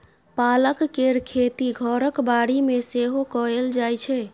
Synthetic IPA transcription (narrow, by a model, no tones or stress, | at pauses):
paləkːeɾkʰet̪iɡʱəɾəkbaɽimeseɦokɔeld͡ʒajt͡ʃʰɛ